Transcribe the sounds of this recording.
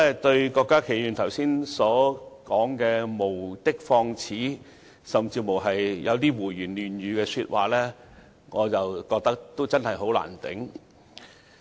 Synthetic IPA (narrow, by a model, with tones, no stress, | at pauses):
ɛ˥t̪ɵ˧ɥkɔː˧kːaː˥kʰe˨˩jyː˨˩nt̪ʰɐ˨˩wsiː˥nsɔː˨˥kɔː˨˥ŋkɛː˧mo˨˩wt̪ɪ˥k̚fɔː˧ŋt͡sʰiː˨˥ | sɐ˨mt͡siː˧mo˨˩wɦɐ˨jjɐ˨˧wt̪̬iː˥wuː˨˩ɥyː˨˩nlyː˨nɥyː˨˧kɛː˧syː˧t̚wa̰ː˨lɛː˥ | ŋɔː˨˧t͡sɐ˨wkɔː˧k̚t̪ɐ˥k̚t̪o˥wt͡sɐ˥nhɐ˨jɦo˨˥wla̰ː˨˩nt̪ɪ̰˨˥ŋ